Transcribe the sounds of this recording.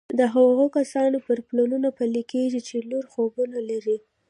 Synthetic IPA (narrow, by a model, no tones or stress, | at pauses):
d̪əɦaɣokasɑnopəɾplɑnunapalikeʒit͡ʃenoɾxobunalaɾi